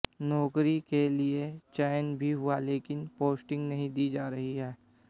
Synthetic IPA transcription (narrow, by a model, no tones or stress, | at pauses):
nɔːkɾikeliet͡ʃɛːnbʱiɦʊaleːkɪnpoːsʈɪ̃ŋɡnɐɦĩd̪iːd͡ʒaːɾɐɦiɦɛː